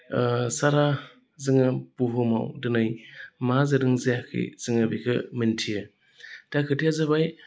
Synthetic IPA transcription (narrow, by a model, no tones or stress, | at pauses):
saɾa | zɯŋɯb̥uɦuma̰wdɯnɯjmazɯdɯŋzijakʰḭz̥ɯŋɯbikʰɯmɯntʰijɯ | d̥akʰɯtʰijazabaj